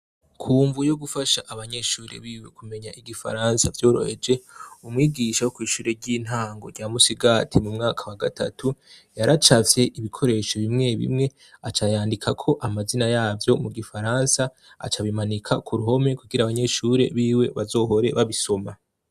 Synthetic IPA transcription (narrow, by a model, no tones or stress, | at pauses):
kʰuːɱvujo̞ɡufaʃaʔaβaɲe̞ʃuːɾḛβiːwe̞kume̞ɲaʔiɡifa̰ɾaːnsavjo̞ːɾo̞̰he̞d͡ʒe̞umŋiːɡiːʃawokwiːʃuːɾeɾɟiːn̥ɦaːŋɡo̞̰ɾɟjaːmusiɡatʰimumŋaːkʰawaɡatʰa̰tʰu | jaɾat͡ʃavje̞ʔiβikʰo̞ɾe̞ʃoβimŋe̞βḭmŋe̞ | at͡ʃajaːndikʰakʰo̞ʔamazinajaːvjo̞muɡifaɾaːnsa̰ː | t͡ʃaβimanikʰakʰuɾuɦo̞mekuɡiɾaːβaɲe̞ʃuːɾe̞̰βiːwe̞βazo̞ːɦo̞ɾe̞βaβiso̞ma